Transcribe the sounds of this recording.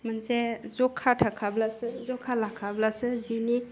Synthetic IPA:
mənsezɔkʰːaʈʰakʰablasɯzɔkʰalakʰablasɯzini

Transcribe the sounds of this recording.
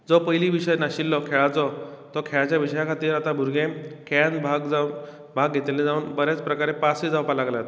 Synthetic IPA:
d͡zɔpəjliʋiɕəjnaɕilːɔkʰeɭat͡sɔt̪ɔkʰeɭat͡ɕjaʋiɕəjakʰat̪iːɾat̪abʱuɾɡẽkʰɛnbʱaɡa | bʱaɡʱet̪elẽd͡zauːnbəɾat͡spɾəkaɾepasid͡zawpalaɡlat̪

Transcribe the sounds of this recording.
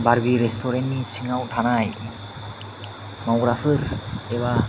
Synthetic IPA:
baɾbiɾest̪ʰɔɾenːisiŋawʈʰanaj | mawɡɾafɯɾɛβa

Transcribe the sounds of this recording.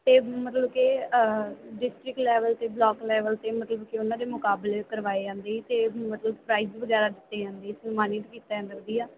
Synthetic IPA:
t̪eːmət̪ləbke | ɖɪsʈɾɪklɛːʋəlt̪eːblɔːklɛːʋəlt̪eːmət̪ləbkeʊnãːd̪eːmʊkaːblekəɾʋaːed͡ʒãːnd̪eːit̪eːmət̪ləbpɾaːiːzʋəɡɛːɾaːd̪ɪt̪ːeːd͡ʒãːnd̪eːɪsnmaːniːʈkiːt̪aãnd̪əkd̪iːaː

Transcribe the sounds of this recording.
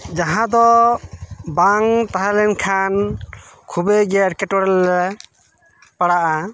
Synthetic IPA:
d͡ʒaɦãd̪ɔ | baŋt̪aɦalɛnkʰankʰubɛɡɛɾkɛʈɔɽɛlːɛ | paɽaʔa

